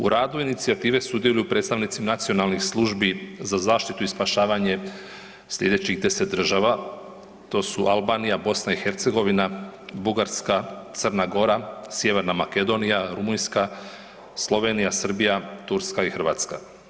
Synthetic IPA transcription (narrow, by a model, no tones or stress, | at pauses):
uɾaːd̪uinit̪siat̪iːʋe̞sud̪jelujupɾet̪st̪aʋnit̪simanat̪sijo̞nalˠnixslˠuʒbizazaːʃt̪it̪uispaʃaːʋaɲe̞ | slʎʲe̞d̪et͡ɕixd̪e̞set̪̚d̪r̩ʒaːʋa | t̪o̞ːsuʔalbaːnijabo̞snaixe̞ɾt̪se̞ɡo̞ʋinabuɡaɾskat̪sərnaɡo̞ɾasje̞ʋe̞ɾnamake̞d̪o̞nijaɾumunska | slˠo̞ʋe̞ːnijasr̩bijat̪uɾskaixr̩ʋaːt̪ska̰